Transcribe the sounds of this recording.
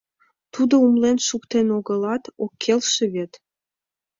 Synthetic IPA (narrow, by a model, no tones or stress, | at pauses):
t̪ud̪oumlenʃukt̪enoɣəlɑt̪okʰːelʃeβet̪